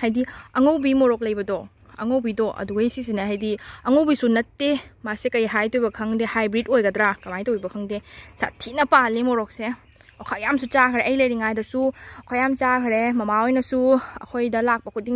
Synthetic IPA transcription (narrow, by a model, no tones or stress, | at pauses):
hajdiɐŋowbimoɾɔk̚lɐjbɐdɔ | ɐ̰ŋowbidɔʔɐ̰duɡɐisis̬inaɦajdiɐŋowbisunɐtːemasekɐjɦajtojbɐkʰɐŋdehajbɾitojɡɐdɾakɐmajtowibɐkʰɐŋdesa̰tʰːinɐpalːimoɾɔk̚se | okʰajamsut͡ʃakʰɾeʔɐjlɐjɾiŋajdɐsukʰojamt͡ʃakʰɾemɐmaojnɐsuɐ̰kʰojdɐlak̚pɐkʰudiŋ